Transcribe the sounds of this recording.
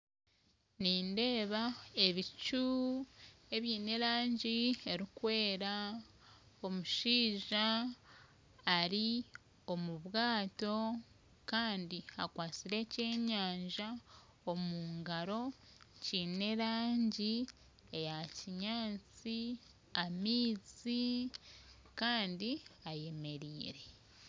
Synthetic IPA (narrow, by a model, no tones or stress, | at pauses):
niːnde̞ːβae̞βit͡ʃu | e̞βjiːne̞ɾaːɲɟie̞ɾikwe̞ːɾa | o̞muʃiːʒa | ɾi | o̞muβɣaːto̞ | kaːndiakwaːt͡siɾe̞ce̞ːɲaːɲʒa | o̞muːŋɡaɾo̞ | cine̞ɾaːɲɟi | ejaciɲaːt͡si | amiːzi | kaːndiaje̞me̞ɾiːɾe̞